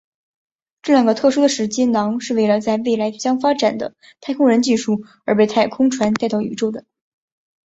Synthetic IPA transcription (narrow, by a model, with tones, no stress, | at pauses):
ʈ͡ʂɤ˥˧ljɑ˥˩ŋɡə˩t̪ʰɤ˥˩ʂu˥d̪ə˨ʂɻ̩˧˥t͡ɕi˥nɑ˧˥ŋʂɻ̩˥˧we˥˩ɪlə˩t͡sa˥˧ɪwe˥˩ɪla˧˥ɪ˧ɕjɑ˥ŋfa˥ʈ͡ʂa˨˩nd̪ə̰˦ | t̪ʰa˥˩ɪkʰʊ˥ŋɻə˧˥nt͡ɕi˥˧ʂu˥˩ | ə˞˧˥pe˥˧ɪt̪ʰa˥˩ɪkʰʊ˥ŋʈ͡ʂʰwa˧˥nt̪a˥ɪt̪ɑ˥˩ʊy̰˧˥ʈ͡ʂʊd̪ə˩